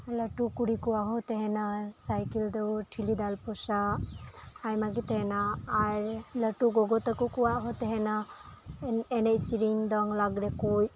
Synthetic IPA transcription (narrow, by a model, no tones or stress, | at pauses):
ləʈukuɾikuwaɦɔt̪eɦenasajkild̪ɔwʈʰilid̪alpɔsaː | jmaɡit̪eɦɛnaːɾləʈuɡɔɡɔt̪akukuwaɦɔt̪eɦɛna | enejsiɾiŋd̪ɔŋlaɡɾekuj